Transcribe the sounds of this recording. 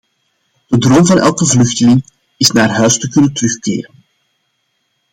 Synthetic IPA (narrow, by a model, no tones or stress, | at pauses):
d̥ədrɔmvɑnɛ̰lˠkəvlɵxtəlɪŋ | ɪsnaːrɦœɥstəkɵnəntərɵxkɪ̰ːrən